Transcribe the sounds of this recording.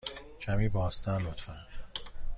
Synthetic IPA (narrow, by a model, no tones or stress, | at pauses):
cʰæmiːbɒːst̪ænlot̪fæn